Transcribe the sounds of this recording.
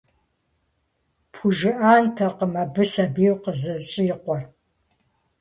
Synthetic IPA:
pʰuʒɪʔaːntʰɐqəmɐbɨsɐbeːwqəzɐɕʼɪjɪqʷɔr

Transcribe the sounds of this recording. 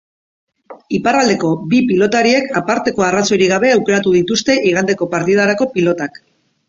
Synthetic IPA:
iparald̪e̞ko̞bipilo̞t̪aɾie̞kapaɾt̪e̞ko̞araso̞jɾiɣ̞aβ̞e̞awke̞ɾat̪uðit̪ust̪e̞ʔiɣ̞and̪e̞ko̞paɾt̪ið̞aɾako̞pilo̞t̪ak

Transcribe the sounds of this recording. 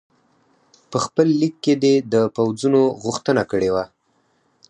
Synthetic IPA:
pəxpəlːikːed̪ed̪əpawd͡zunoɣʊxt̪ənakəɽewa

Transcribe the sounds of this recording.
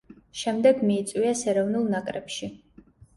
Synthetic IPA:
ʃɛmd̪ɛɡmiːt̪sʼwiasɛɾɔvnulˠnakʼɾɛpʃi

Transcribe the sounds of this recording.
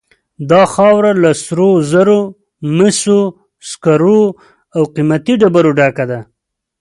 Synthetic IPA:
d̪ɑxɑwɾalasɾozaɾo | mɪso | skaɾo | awqimat̪iɖabaɾoɖakad̪a

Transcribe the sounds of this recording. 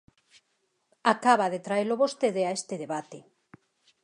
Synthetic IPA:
akaβaðet̪ɾaeloβost̪eðeaest̪eðeβat̪e

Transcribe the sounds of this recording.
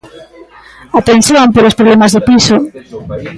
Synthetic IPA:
at̪ẽnsjõmpolospɾoβlemazðopiso

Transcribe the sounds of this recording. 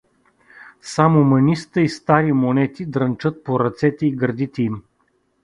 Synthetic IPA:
samomɐnʲist̪əist̪aɾimonɛt̪id̪ɾənt͡ʃɤt̪̚poɾɐt̪sɛt̪ɛiɡəɾd̪it̪ɛim

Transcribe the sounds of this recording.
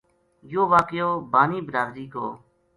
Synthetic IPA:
joːʋaːkjoːbaːniːbəɾaːɡɾiːko̰ː

